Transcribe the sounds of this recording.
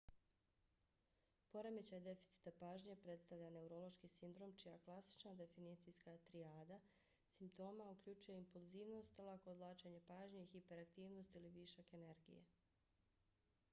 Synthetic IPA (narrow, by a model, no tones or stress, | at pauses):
po̞ɾemet͡ɕad̪e̞fi̥t̪si̥t̪apaːʒɲe̞pɾe̞t̪st̪aʋʎane̞uɾo̞lˠo̞ʃkisind̪ɾo̞ːmt͡ʃijaklˠasi̥t͡ʃnad̪e̞finit̪sijskat̪ɾiaːd̪a | simpt̪o̞ːmaukʎut͡ʃuje̞impulˠziːʋno̞st̪lˠakod̪lˠaːt͡ʃeɲe̞paːʒɲexipe̞ɾakt̪iːʋno̞st̪iliʋiʃake̞ne̞ɾɡḭjḛ